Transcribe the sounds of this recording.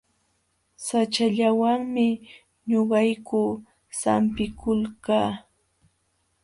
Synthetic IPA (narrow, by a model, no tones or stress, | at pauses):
sat͡ʃaʎawaŋmɪ | ɲoɢɑjkʊ | sa̰mpɪkʊlkaː